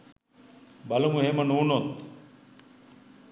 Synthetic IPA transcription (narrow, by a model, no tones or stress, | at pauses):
bɐlumuɦemɐnuːnot̪